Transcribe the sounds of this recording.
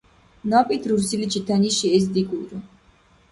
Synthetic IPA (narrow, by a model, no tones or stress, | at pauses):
nɔpʼit̪ʰɾuɾsilit͡ʃʰit̪ʰaniʃiɛs̬d̪iɡuɾu